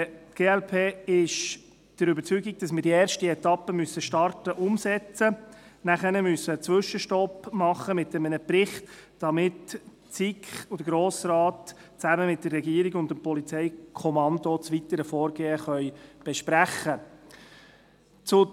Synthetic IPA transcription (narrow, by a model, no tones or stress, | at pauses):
ɡ̥eːɛlpʰeːɪʃ | d̥əɾʏbəɾt͡syɡiɡ̚d̥ɑsmɪːɾdiɛːɾʃtiɛtɑpːəmysəʃtɑrtəʔʊmsɛt͡sənæχɛnəmysət͡sʋʏʃəʃtɔpmɑχːəmɪtːɛmənəprɪχtd̥ɑmɪt | t͡sikχʊd̥əɡɾoːsrɑːt | t͡sæməmɪt̚d̥ərːɛɡiːəɾɪɡʊndəmpɔlit͡sɛjkʰɔmɑndot͡sʋitəɾəfɔːɾɡ̥eːəχœjb̥ɛʃpɾæχːə | t͡sʊ